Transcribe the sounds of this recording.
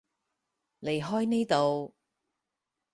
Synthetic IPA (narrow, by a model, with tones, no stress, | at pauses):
le˨˩jɦɔː˥jne˥jt̪o˨w